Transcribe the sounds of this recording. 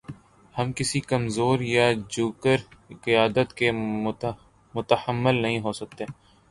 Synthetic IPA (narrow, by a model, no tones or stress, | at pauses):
hɐmkɪsikɐmzoːɾjad͡ʒuːkəɾqɪjaːd̪ət̪ke | mʊt̪əhəmːəlnɐɦĩɦoːsɐk̚t̪e